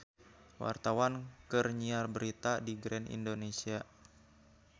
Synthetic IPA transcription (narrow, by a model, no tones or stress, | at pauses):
wʔa̰rt̪awankərɲiarbəɾit̪adiɡɾɛnḭndonesia